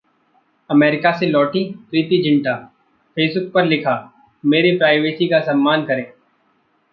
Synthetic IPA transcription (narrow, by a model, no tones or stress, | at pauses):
ɐmeːɾɪkaselɔːʈipɾiːt̪id͡ʒʱɪ̃ɳʈa | pʰeːsbʊk̚pɐɾlɪkʰaː | meːɾipɾaːɪʋeːsikasɐmːaːnkɐɾẽː